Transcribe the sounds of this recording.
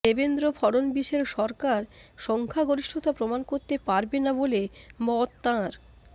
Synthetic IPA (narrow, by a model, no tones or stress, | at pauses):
ebend̪ɾofʰɔɽonbiʃeɾʃɔɾkaɾʃɔŋkʰaɡoɾiʃʈʰot̪apɾomankoɾt̪epaɾbenabolemɔt̪ːãɾ